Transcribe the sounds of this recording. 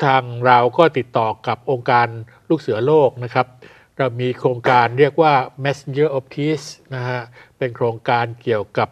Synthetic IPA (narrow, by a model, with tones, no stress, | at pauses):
t̪ʰaː˧ŋɾa˧wkɔː˥˩t̪i˨˩t̪ːɔː˨˩ka˨˩p̚ʔoː˧ŋkaː˧n | luː˥˩k̚sɯ˨˩˦ɐloː˥˩k̚na˦˥kʰa˦˥p̚ | ɾa˧wmiː˧kʰɾoː˧ŋkaː˧nɾi˥˩ək̚waː˥˩mɛ˦˥se˧nt͡ɕɯː˥˩ʔo˧˥p̚kʰiː˦˥sna˦˥kʰa˦˥ʔpe˧nkʰɾoː˧ŋkaː˧nki˨˩əwka˨˩p̚